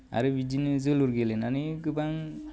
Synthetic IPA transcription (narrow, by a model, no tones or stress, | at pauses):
a̰ɾɯbid͡ʒinɯzɯluɾɡelenanikɯbaŋ